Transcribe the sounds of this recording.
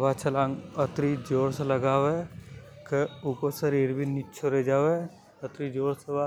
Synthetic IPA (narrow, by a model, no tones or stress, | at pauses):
ʋaːt͡ʃʰɐlãːŋɡət̪ɾid͡ʒoːɽseləɡaːʋe | keʊkosəɾiːɾbʱinɪt͡ʃʰoɾed͡ʒaːʋe | ɐt̪ɾid͡ʒoːɽseʋaː